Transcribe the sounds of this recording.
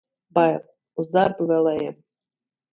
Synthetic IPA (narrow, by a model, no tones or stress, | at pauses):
baj | uzd̪aɾbuvɛlˠɛjɛm